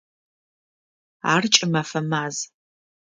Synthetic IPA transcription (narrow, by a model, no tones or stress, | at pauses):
aːrt͡ʃʼɪmɐfɐmaːz